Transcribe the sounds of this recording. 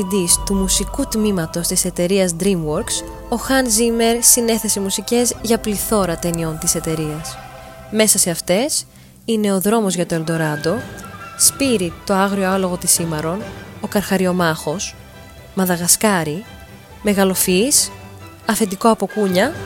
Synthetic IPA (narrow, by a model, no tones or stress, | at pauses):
id̪ist̪umusikut̪mimɐt̪o̞st̪ise̞t̪e̞ɾiɐzd̪ɾimwoɾks | o̞xɐnzime̞ɾsine̞θe̞se̞musice̞zʝɐpliθo̞ɾɐt̪e̞nio̞nt̪ise̞t̪e̞ɾiɐs | me̞sɐse̞ɐft̪e̞s | ine̞o̞ðɾo̞mo̞zʝɐt̪o̞e̞ld̪o̞ɾɐd̪o̞spiɾit̪o̞ɐɣɾio̞ɐlo̞ɣo̞t̪isimɐɾo̞no̞kɐɾxɐɾio̞mɐxo̞s | mɐðɐɣɐskɐɾi | me̞ɣɐlo̞fis | ɐθe̞t̪iko̞ɐpo̞kuɲɐ